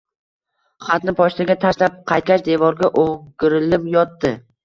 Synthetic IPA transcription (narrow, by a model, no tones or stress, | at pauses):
χat̪nɪpʰɒʃt̪ʰaɡʲat̪ʰaʃlap̚qʰɑjt̪̚kʲaʃd̪e̞vɒɾɡʲaʔoŋɡʲɪɾɪlɪpjɒt̪ːɪ